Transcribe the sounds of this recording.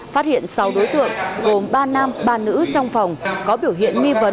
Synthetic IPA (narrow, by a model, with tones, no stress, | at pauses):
faː˦˥t̚hḭ˧˨ənsa˨˦wɗo˨˦jt̪ɨ̰˧˨əŋɣo˨˩mɓaː˧na˧mɓaː˧nɨ̰˧˥t͡ɕɔ˧wŋ͡mfa˨˩wŋ͡mkɔ˨˦ɓi˧˩əwɦḭ˧˨ənŋi˧və˨˦n